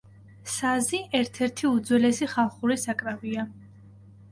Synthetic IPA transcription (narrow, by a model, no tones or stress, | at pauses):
saziʔɛɾt̪ʰɛɾt̪ʰiud̪zwɛlɛsiχalˠχuɾisakʼɾavia